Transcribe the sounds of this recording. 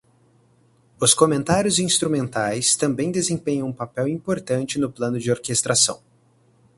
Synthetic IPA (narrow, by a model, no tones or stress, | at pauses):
ʊskomẽnt̪aɾjʊzĩst̪ɾumẽnt̪ajst̪ɐ̃mbẽj̃d̪ezẽpẽɲɐ̃w̃ũpapɛwĩpoɾt̪ɐ̃nt͡ʃɪnʊplɐ̃nʊd͡ʒɪoɾkest̪ɾasɐ̰̃w̃